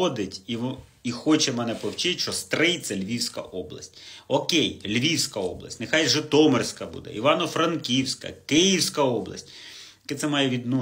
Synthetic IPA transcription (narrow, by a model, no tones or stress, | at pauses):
ɔd̪ɪtʲiʋixɔt͡ʃɛmɛnɛpɔwt͡ʃɪt̪ʲʃt͡ʃɔst̪ɾɪjt̪sɛlʲʋʲiwsʲkɐ̰ʔɔblˠɐ̰sʲtʲɔkɛjlʲʋʲiwsʲkɐɔblˠɐ̰sʲtʲnexɑjʒɛt̪ɔmersʲkɐbṵd̪ɛ̰ʔiʋɑnɔfɾɐnkʲiwsʲkɐ̰kɪjiwsʲkɐɔblˠɐ̰sʲtʲ | ɐkɛt̪sɛmɑjɛʋʲid̪nu